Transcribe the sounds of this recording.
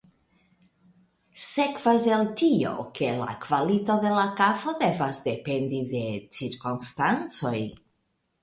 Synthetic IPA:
sekvazeltio̞̰ke̞la̰kvalito̞de̞lakafo̞d̪e̞vasde̞pe̞ndide̞t͡siɾkonstant͡so̞j

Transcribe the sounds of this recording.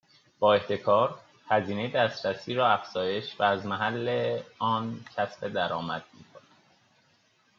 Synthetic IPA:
b̥ɒːe̞ht̪ʰe̞kʰɒːɾ | hæziːne̞jed̪æːst̪ɾæsiːɾɒːæfz̥ɒːje̞ʃvæːzmæɦælːeɒːncʰæsbed̪æɾɒːmæ̰d̪̥̚mḭːkʰonæd̪̥

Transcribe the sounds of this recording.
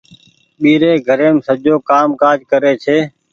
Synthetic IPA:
ɓiːɾeːɡʱəɾeːmsəd͡ʒoːkaːmkaːd͡ʒkəɾeːt͡ʃʰeː

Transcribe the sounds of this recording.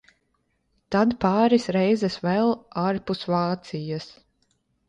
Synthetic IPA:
t̪ad̪paːɾisɾɛjzɛsvɛlˠaɾpusvaːt̪sijas

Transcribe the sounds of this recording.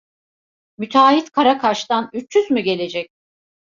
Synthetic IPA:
myt̪ʰaːɦit̪kʰaɾakʰaʃt̪anyt͡ʃːyzmyɟe̞lʲe̞d͡ʒɛc̚

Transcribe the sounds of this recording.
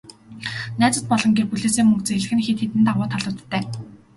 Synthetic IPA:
næːt͡sə̆t̪̚pɔɮɞ̆ŋɡerpuɮeːseːŋmɵŋkt͡seɮɘ̆xɘ̆nxet̪xet̪ɘ̆nt̪aʁʊːt̪ʰaɮʊ̆wt̪ːæː

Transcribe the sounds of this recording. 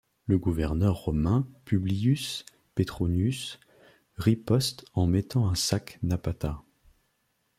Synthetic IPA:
ləɡuvɛʁnœʁːɔmɛ̃pybliys | pet̪χonys | ʁipɔst̪ɑ̃mɛt̪ɑ̃ɛ̃saknapat̪a

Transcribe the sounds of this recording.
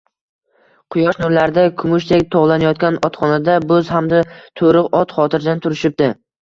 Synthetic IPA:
qʰʊjɒʃnʊɾlaɾd̪akʰʊmʊʃd̪ekʲt̪ʰoʁlˠanajɒt̪̚kʲanɒt̪χɒnad̪abɵzhamd̪at̪ʰoɾɨqɒt̪χɒt̪ʰɪɾd̪ant̪ʰʊɾɪʃɪp̚d̪ɪ

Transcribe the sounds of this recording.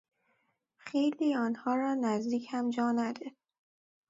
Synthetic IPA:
xijɾd̪iːɒːnhɒːɾɒːnæzd̪iːcʰhæmd͡ʒɒːnæd̪e

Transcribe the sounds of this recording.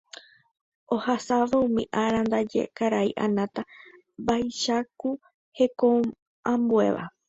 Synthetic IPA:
o̞hasaʋaũmḭ̃ʔaɾand̪ad͡ʒḛkaɾaiʔanãt̪a | bajʃaku | he̞kõ | ãmbue̞̰ʋa̰

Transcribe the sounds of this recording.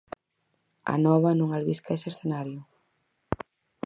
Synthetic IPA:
ɐ̰nɔβɐnũŋalβiskaeseɾθenaɾjʊ

